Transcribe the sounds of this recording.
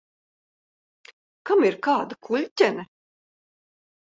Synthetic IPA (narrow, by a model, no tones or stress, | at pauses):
kamiɾkaːd̪akʰulʲt̪ʲɛnɐ